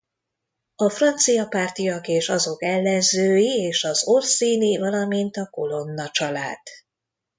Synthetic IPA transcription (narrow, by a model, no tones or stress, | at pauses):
ɒfrɒnt̪sijɒpaːrt̪ijɒkeːʃɒzo̞kɛlːɛnzøːjieːʃɒzorsiːnivɒlɒmint̪ɒko̞lo̞nːɒt͡ʃɒlaːd̪